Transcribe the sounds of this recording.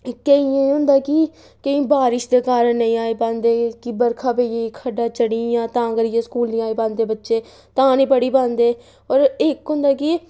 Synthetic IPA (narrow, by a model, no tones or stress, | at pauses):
kəiːẽiɦʊ̃nd̪aːkɪ | kəĩːbaːɾɪʃd̪eːkaːɾəɳnəĩːaːiːpãːnd̪eːkɪbəɾkʰãːpeːeːikʰəɖaːt͡ʃəɽiːjãːt̪ãːəɡəɾɪjẽːskuːlnĩːaːeːpãːnd̪eːbətːʃeː | t̪ãːnĩːpəɽiːpãːnd̪eː | ɔːɾɪkɦʊ̃nd̪aːkɪ